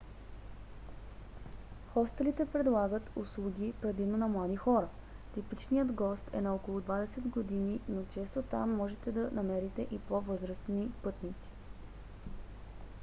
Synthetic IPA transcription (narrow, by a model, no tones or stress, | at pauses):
xɔst̪ɛlit̪ɛpɾɛd̪lˠaɡət̪uslˠuɡʲipɾɛd̪imnonɐmlˠad̪ixɔɾə | t̪ipit͡ʃnijəd̪ɡɔst̪ʰɛ̰nɐɔkolˠʊd̪vad̪ɛsɛd̪ɡod̪ininot͡ʃɛst̪ot̪amːɔʒɛt̪ɛd̪ɐnɐmɛɾit̪ɛʔipovɤzɾəsnipɤt̪nit̪si̥